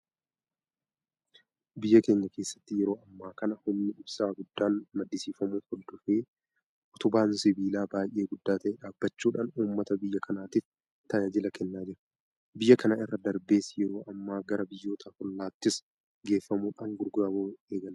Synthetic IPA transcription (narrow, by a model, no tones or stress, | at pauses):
bɪjːɐke̞ːɲːɐke̞ːsːɐ̥t̪ːɪjɛɾoːɐmːaːkɐnɐhʊmnɪʊbsaːɡʊd̪ːaːnmɐd̪ːɪsiːfɐmuːthɔld̪ɔfeː | ʔɔt̪ʊbaːnsɪbiːlaːbaːjʔe̞ːɡʊd̪ːaːt̪ɐʔeːᶑaːbːɐt͡ʃːuːᶑaːnuːmːɐt̪ɐbɪjːɐkʰɐnaːt̪ɪf | t̪ɐjɐd͡ʒɪlɐkʰɛnːaːd͡ʒɪɾɐ̥ | bɪjːɐkɐnaːɪrːɐd̪ɐɾbe̞ːsɪjɛɾo̞ːʔɐmːaːɡɐɾɐbɪjːo̞ːt̪ʰaːhɔlːaːt̪ːɪs | ɡe̞ːfːɐmuːᶑaːŋɡʊɾɡaboːeːɡɐl